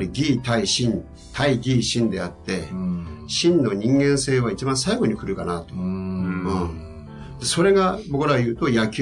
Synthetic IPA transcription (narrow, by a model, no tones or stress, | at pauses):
ɾʲiɡʲiːt̪aiɕĩn | t̪ʰaiɡʲiːɕĩnd̪e̞at̪ːe̞ɕĩnːo̞ɲ̟ĩŋɡẽ̞ɰ̃se̞ːβ̞ait͡ɕibãsaiɡo̞ɲ̟ikɯ̟ɾɯ̟kanat̪o̞ɯ̃ | d̪̥e̞so̞ɾe̞ɡabo̞kɯ̟ɾaɡjɯ̟ːt̪o̞jakʲ